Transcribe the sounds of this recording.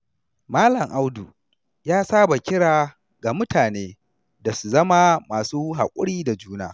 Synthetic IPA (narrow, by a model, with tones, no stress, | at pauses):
maː˦lɐ˨ŋʔa˦wdu˨ | jaː˦saː˦ba˨kʲɪ˦ɽaː˨ | ɡa˨mʊ˦tʰaː˨neː˦ | da˨su˨zɐ˦ma˦maː˨suː˦ɦa̰˨kʷʼʊ˦ɽiː˦da˨d͡ʒuː˦na̰ː˦